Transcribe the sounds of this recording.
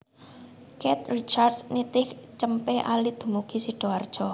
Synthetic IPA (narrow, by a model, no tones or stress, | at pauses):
kɛt̪rit͡ʃarsnit̪ɪkt͡ʃəmpeʔa̰lid̪̥ṳmuɡ̥i̤siɖ̥o̤ard̥ʒ̥ɔ